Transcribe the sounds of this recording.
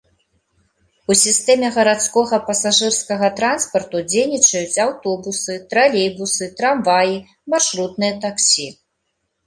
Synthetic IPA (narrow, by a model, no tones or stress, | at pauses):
usʲist̪ɛmʲɛɣɐɾat̪skɔɣɐpɐsaʐɨrskɐɣɐt̪ɾanspɐrt̪ud͡zʲejnʲit͡ʂɐjut͡sʲawt̪ɔbusɨt̪ɾalʲejbusɨt̪ɾamvaji | marʂɾut̪̚nɨjɐt̪aksʲi